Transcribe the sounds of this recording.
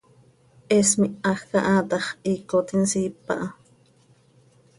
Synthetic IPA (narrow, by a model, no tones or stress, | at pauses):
ʔesmiaxkaʔaːt̪ɑχikot̪insipa̰ʔa